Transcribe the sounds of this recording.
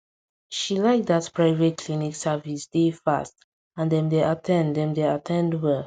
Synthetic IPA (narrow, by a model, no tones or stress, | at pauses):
ʃilaɪk̚d̪atpɹaɪvetkʰliniksavisd̥efa̰st | ãndɛ̃mdeʔatʰɛ̃ndɛ̃mdeatʰɛ̃ndwɛ